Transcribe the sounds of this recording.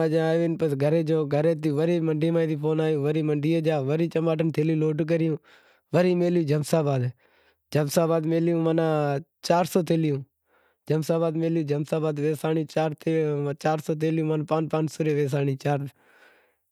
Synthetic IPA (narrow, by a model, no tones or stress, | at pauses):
aːd͡ʒaaːjʋenpəsɡʱəɾeːd͡ʒoːɡʱəɾeːt̪̬ɪjũːʋəɾiːməɳɖiːmãːit̪iːpʰoːnaːjõːʋəɾiːməɳɖiːẽːd͡ʒaːʋəɾiːt͡ʃəmaːʈənt̪ʰeːljuːloːʈːk̬əɾɪjũː | ʋəɾiːmeːljũːd͡ʒəmsaːbaːd̪ | d͡ʒəmsaːbaːd̪meːljũːmanãːt͡ʃaːɾsoːt̪eːlɪjũː | d͡ʒəmsaːbaːd̪meːljũːd͡ʒəmsaːbaːd̪ʋeːsaːnjũːt͡ʃaːɾt̪et͡ʃaːɾsoːt̪̬eːljũːmənapãːnpãːnsʊɾeːʋeːs̬aːɳiːt͡ʃaːɾ